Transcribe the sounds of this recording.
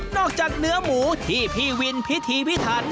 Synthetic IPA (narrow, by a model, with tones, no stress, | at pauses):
nɔː˥˩k̚t͡ɕaː˨˩k̚nɯ˦˥ɐmuː˩˦t̪ʰiː˥˩pʰiː˥˩wi˧npʰi˦˥t̪ʰiː˧pʰi˦˥t̪ʰaː˧˩n